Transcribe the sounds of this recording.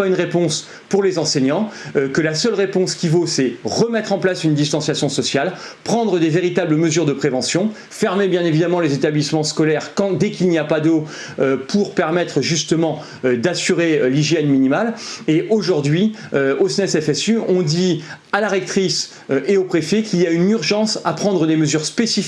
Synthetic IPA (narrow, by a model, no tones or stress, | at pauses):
paynʁepɔ̃s | puʁlezɑ̃seɲɑ̃økəlasœlʁepɔ̃skʲivosɛʁəmɛt̪χɑ̃plasynd̪ist̪ɑ̃sjasjɔ̃sɔsjal | pχɑ̃d̪ʁəd̪eveʁit̪abləməzyʁd̪əpχevɑ̃sjɔ̃ | fɛʁmebjɛ̃nevid̪amɑ̃lezet̪ablismɑ̃skɔlɛʁkɑ̃d̪ɛkilnijapad̪o | øpʰuʁpɛʁmɛt̪χəʒyst̪əmɑ̃ | ød̪asyʁeliʒjɛnminimaleʔoʒuʁd̪ɥiøosnɛsɛfɛsyɔ̃d̪ialaʁɛk̚t̪χis | øʔeopχefɛkʲiljaynyʁʒɑ̃sapχɑ̃d̪ʁəd̪eməzyʁspesif